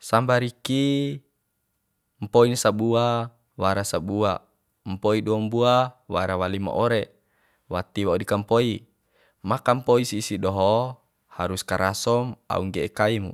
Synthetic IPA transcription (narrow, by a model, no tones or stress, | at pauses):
sambaɾiki | mpoinsabua | waɾasabua | mpoiduambuawaɾawalima̰ʔɔɾe | wat̪iwaudikampoi | makampoisiːsiɗɔɦɔ | haɾuskaɾasɔma̰uŋɡɛekaimṵ